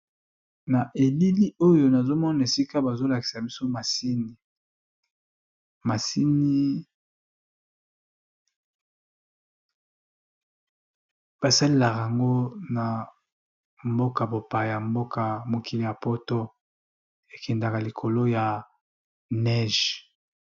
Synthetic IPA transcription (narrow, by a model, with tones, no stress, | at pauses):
na˨ʔe˨li˦li˦o˦jo˨na˨zo˦mɔ˦na˨e˨si˦ka˦ba˨zo˦la˨ki̥˨sa˨bi˦so˦ma˨si˦ni˨ | ma˨si˦ni˦ | b̥a˨sa˦le˦la˨ka˨a˨ŋɡo˦na˨ | mbo˦ka˨bo˨pa˨ja˨mbo˦ka˨mo˨ki˨li˨ja˨po˦to˦ | e˨kʰɛ˨nda˨ka˨li˨kʰo˨lo˦ja˨ | nɛ˦ʒ